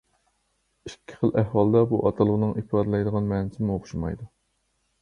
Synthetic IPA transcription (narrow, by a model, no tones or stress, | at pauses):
ikʲʰːɪ̥χəlˠʔæhwɑlˠd̪ɑbuʔɑt̪ʰɑlˠəʁnɨŋʔipɑd̪ɨlˠɑjd̪əʁɑnmɛnɪsmuoχʊ̥ʃumɑ̰jd̪u